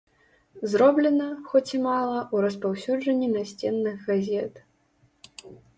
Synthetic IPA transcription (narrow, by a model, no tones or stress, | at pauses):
zɾɔblʲɛnɐxɔt͡sʲimalˠɐʔuɾɐspawsʲud͡ʐɐnʲːinasʲt͡sʲɛnːɨɣɣazʲɛt̪